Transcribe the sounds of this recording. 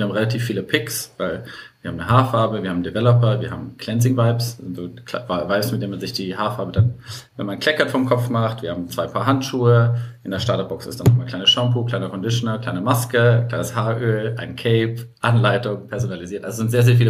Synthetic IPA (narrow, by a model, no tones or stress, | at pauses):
iəɐhabm̩ʁelatʰiːfːiːləpʰɪksvaɪlviːɐaːmnəɦaːɐfaɐbəviːɐhabmn̩divɛlɔpɐviːɐɦaːbm̩kl̥ɛns̬ɪŋvaɪpsɪntz̥oːkʰlavavaɪpsmɪt̚deːɐnmanzɪçd̥iːɦaːfaɐbədanvɛnmankʰl̥ɛkɐnfɔɐmkʰɔp͡fmaχtv̥iːɐhaːbm̩t͡sv̥aɪpʰaːɐɦantʃuːəʔɪndeɐʃtaːdɐb̥ɔksɪ̰std̥anɔχmaːnkʰl̥aɪnəʃampukl̥aɪnɐkʰɔndɪʃonɐkʰl̥aɪnəmaskəkl̥aɪnəshaɐʔøːlʔaɪnkʰɛɪpʔanlaɪtʊŋpʰɛɐzonaliziːɐtʔa̰lzozɪntzeːɐzeːɐfiːlə